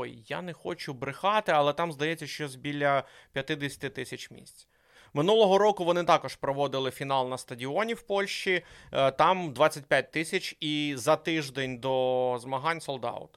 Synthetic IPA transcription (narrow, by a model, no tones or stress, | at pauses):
jjːa̰nɛxɔt͡ʃʊbɾɪxɑt̪ɪɐlˠɛt̪ɑmzd̪ɐjɛt͡sʲːɐʃt͡ʃɔzʲbʲilʲːɐ | pʲjɐt̪ɪd̪esʲɐ̥t̪ɪt̪ɪsʲɐt͡ʃmʲḭsʲt͡sʲ | mɪnulˠɔɦɔɾɔkʊʋɔnɪt̪ɑkɔʃpɾɔʋɔd̪ɪlˠɪfʲin̪ɑlˠnɐst̪ɐdʲiɔnʲiwpɔlʲʃʲt͡ʃit̪ɑmd̪ʋɑt͡sʲːɐtʲpʲjat̚ʲt̪ɪsʲɐt͡ʃʲizɐt̪ɪʒd̪enʲd̪ɔzmɐɦɑnʲsɔlˠd̪ɑ̰wʊ̰t̪